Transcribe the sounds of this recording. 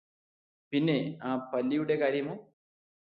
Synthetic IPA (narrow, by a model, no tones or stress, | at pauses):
pinːeaːpɐlːijuɽekaːɾjɐmo